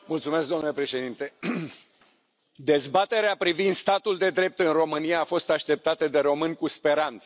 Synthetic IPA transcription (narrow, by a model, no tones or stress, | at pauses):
mult̪sumesk̚d̪onulepɾe̞ʃe̞d̪int̪e̞ | d̪e̞zbat̪e̞ɾeapɾivind̪st̪at̪uld̪e̞d̪ɾe̞p̚t̪ɨnro̞mɨnijaːfo̞st̪aʃt̪e̞p̚t̪at̪əd̪e̞ɾo̞mɨnʲkuspe̞ɾant̪sə